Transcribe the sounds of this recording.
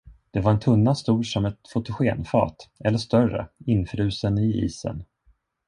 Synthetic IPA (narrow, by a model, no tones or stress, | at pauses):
d̪̥ɛvaɾɛnt̪ʰɵnːast̪uːlʂɔmɛt̪fʊt̪ʊɧeːnfɑ̰ːt̪ɛlːəʂt̪œrə̰ɪnːfɾʉ̟ːsənɪḭːsə̰n